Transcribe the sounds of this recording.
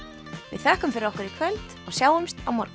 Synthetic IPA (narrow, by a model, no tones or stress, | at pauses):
vɪ̰ðθœhkʏmfɪɾɔhkʏɾikʰvœlt̪ɔɣsjaːwʏmst̪a̰wmɔɾk